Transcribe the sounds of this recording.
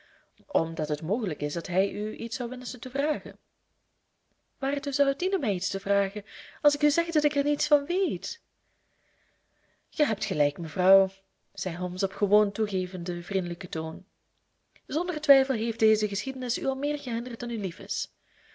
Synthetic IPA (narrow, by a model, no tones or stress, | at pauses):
ʔɔmdɑtɦətmoːχələkɪsdɑtɦɛjʔyʔitsʌwʋɛnsəntəvraːχə̰n | ʋaːrtuzʌwətdinəmɛjitstəvraːχəɑlˠsɪkyzɛɣdɑtɪkɛrnitsfɑnʋejt | χəɦɛp̚txəlɛjkməvrɑw | z̥ɛjɦɔmsɔpxəʋoːntuɣeːvəndəvrindələkətoːn | zɔndərtʋɛjfəlˠɦeːfdeːzəɣəsxidənɪsyɑlˠmɪːrɣəɦɪndərt̚dɑnylifɪ̰s